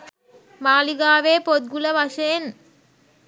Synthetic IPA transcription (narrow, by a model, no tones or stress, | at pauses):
maːliɡaːʋeːpod̪̚ɡulɐʋɐʃeːn